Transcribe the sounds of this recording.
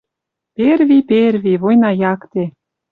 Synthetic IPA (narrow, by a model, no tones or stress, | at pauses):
perβiperβʲiβojnɑjɑkt̪e